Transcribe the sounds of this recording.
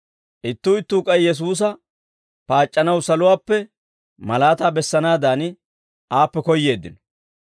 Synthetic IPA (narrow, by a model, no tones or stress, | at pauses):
ʔɪt̪ːuːɪt̪ːuːkʼɐjjɛs̬uːs̬ɐ | paːt͡ʃʼːɐnɐwsɐlʊwaːpːɛ | mɐlaːt̪aːbɛsːɐnaːd̪aːnɪ | ʔaːpːɛkɔjːe̞ːd̪ːɪnɔ̥